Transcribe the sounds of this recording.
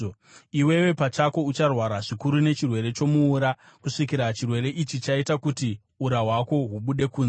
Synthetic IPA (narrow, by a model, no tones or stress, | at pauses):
iwe̞we̞pat͡ʃako̞ut͡ʃarwaɾaʐikuɾune̞t͡ʃirwe̞ɾe̞t͡ʃo̞muːɾa | kuʂikiɾat͡ʃirwe̞ɾe̞ʔit͡ʃit͡ʃaitakuti | uɾaɦwako̞ɦuɓuɗe̞kuːn